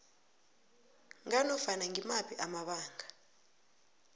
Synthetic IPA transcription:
ŋanɔfanaŋɡimapʰiʔamaɓaːŋɡʱa

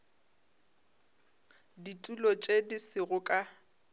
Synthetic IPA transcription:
ditʼulɔt͡ʃʼedisɪɣʊkʼa

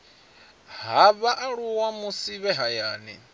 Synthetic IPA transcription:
ɦaβaʔaɺuwamusiβɛɦajaːnḭ

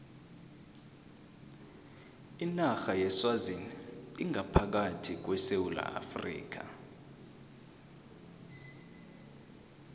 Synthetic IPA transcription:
inaxajɛswaziniŋʱapʰak̬atʰik̬wɛsewula̰a̰frḭːk̬a̰

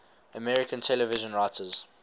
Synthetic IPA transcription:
əmɛɹɪkə̃ntʰɛləvɪʒə̃nɹaɪtʰəz̥

